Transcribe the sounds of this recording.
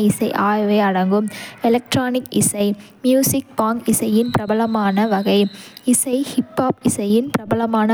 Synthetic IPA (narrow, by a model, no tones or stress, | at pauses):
ɪsɐɪʔaːjʋeɪɐɽɐŋɡɯmɛlɐk̚ʈɾaːnɪkɪsɐɪ | mjuːsɪk̚paːŋɡɪsɐjɪnpɪɾɐbɐlɐmaːnɐʋɐɣɐɪɪsɐɪhɪpːaːpɪsɐjɪnpɪɾɐbɐlɐmaːnɐ